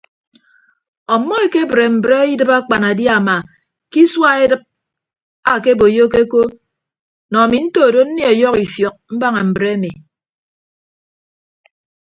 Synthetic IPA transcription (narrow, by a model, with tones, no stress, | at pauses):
ɔ˨mːɔ˦e˨ke˦bɾe˨m̩˨bɾe˦i˦dɨ˦pa˦k͡pa˨na˨dja˨ma˨ | ki˦swa˦e˦dɨ˦p̚ | a˨ke˦bo˨jo˦ke˦ko˦ | nɔ˨a˨mi˨n̩˦to˦˨do˦n̩˦ne˦ɔ˨jɔ˦ki˨fjɔ˨k̚m̩˦ba˦ŋe˨m̩˨bɾe˦mi˨